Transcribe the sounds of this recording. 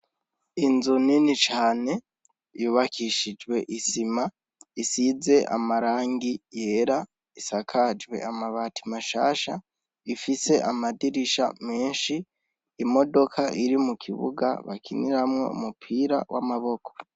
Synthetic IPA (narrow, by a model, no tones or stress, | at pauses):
inzuninit͡ʃaːne̞ | juːβakʰiʃid͡ʒwe̞ʔisima | isize̞ʔa̰maɾaːŋɡije̞ɾa | isakʰad͡ʒwe̞̰amaβaːtimaʃa̰ːʃa | ifise̞ʔamadiɾiʃa̰me̞ːnʃiː | mo̞do̞kʰaʔiɾimukʰiβṵɡa̰βa̰kʰiniɾamŋo̞̰ṵmupʰiːɾa̰wʔa̰maβo̞kʰo̞̥